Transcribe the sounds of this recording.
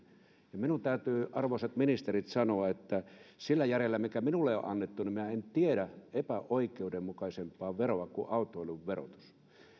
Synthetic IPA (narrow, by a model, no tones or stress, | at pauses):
jɑminunt̪æˑyt̪yːʔɑrʋoset̪minist̪erit̪sɑnoɑet̪ːæsilːæjærelːæmikæminulːeo̰ʔʔɑnːet̪ːuniminæent̪ieɾæʔepæʔoikˑeudemmukɑisempːˑɑːʋeroɑkuʔɑˑut̪ːˑoolʲuʋʋero̰t̪u̥s